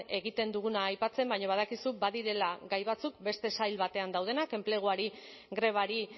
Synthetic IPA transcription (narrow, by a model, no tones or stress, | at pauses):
e̞ɣit̪e̞nd̪uɣunaːjpat͡se̞mbajɲoβ̞að̞akisubaðiɾe̞laɡajβat͡suk̚be̞st̪e̞sajlβat̪e̞and̪awð̞e̞nake̞mple̞ɣ̞uaɾi | ɣɾe̞β̞aɾi